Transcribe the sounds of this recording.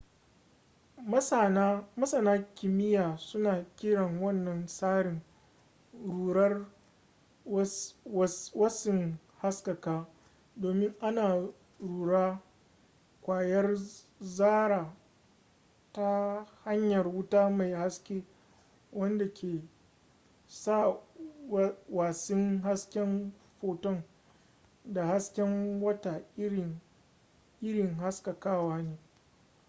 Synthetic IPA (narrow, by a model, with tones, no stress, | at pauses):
mɐ˦sa˨naː˦kʲɪ˨mɪ˦jaː˨sʊ˦naː˨kʲɪ˦ɽɐ˨ŋwɐ˦nːɐ˨nsaː˦ɽɪ˨ŋ | ɽu˨ɐ˦r | wɐ˦sɪ˨ŋ | ha˦skɐ˨kaː˦ | doː˨mɪ˦ŋʔa˦naː˨ | ɽuː˨ɽaː˦ | kʷaː˨jɐ˦r | zaː˦ɽaː˨ | ta˦ha˦ɲjɐ˨rwʊ˦taː˦ma˨jha˦skʲeː˦ | wɐ˦nda˨kʲʰeː˨ | sa˦˨ | waː˨sɪ˦ŋɦa˦skʲɛ˦m | ɸoː˨tɔ˦˨ŋ | da˨ha˦skʲɛ˦ŋwɐ˦ta˨˦˨ | ʔɪ˦ɽɪ˨ŋɦa˦ska˨kaː˦waː˦neː˦